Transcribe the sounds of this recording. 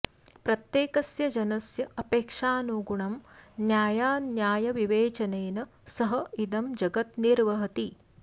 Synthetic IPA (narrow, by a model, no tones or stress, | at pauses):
pɾɐt̪jeːkɐsjɐd͡ʒɐnɐsjɐɐpeːkʂaːnuːɡuɳɐmnjaːjaːnjaːjɐʋiʋeːt͡ʃɐneːnɐ | sɐɦɐid̪ɐmd͡ʒɐɡɐt̪niɾʋɐɦɐt̪i